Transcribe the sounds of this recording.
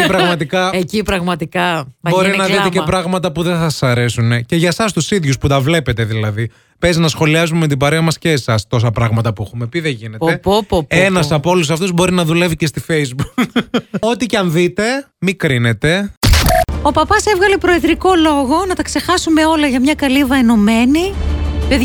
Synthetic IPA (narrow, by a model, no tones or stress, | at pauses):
pɾɐɣmɐt̪ikɐecipɾɐɣmɐt̪ikɐbo̞ɾinɐðit̪ecepɾɐɣmɐt̪ɐpuðenθɐsɐ̥sɐɾe̞sunece̞ʝɐsɐs̬t̪usiðʝusput̪ɐvle̞pe̞t̪e̞ðilɐði | pe̞zinɐsxo̞liɐzumemet̪̬ibɐɾeɐmɐsceːsɐst̪o̞sɐpɾɐɣmɐt̪ɐpuexume̞piðeʝine̞t̪epoppenɐsɐpoolus̬ɐft̪uzbo̞ɾinɐðule̞vicest̪ifejzbuko̞t̪icɐnðit̪e̞ | mikɾine̞t̪e̞ | o̞pɐpɐse̞vɣɐle̞pɾo̞eðɾiko̞lo̞ɣo̞nɐt̪ɐkse̞xɐsume̞o̞lɐʝɐmɲɐkɐlivɐeno̞me̞nipeð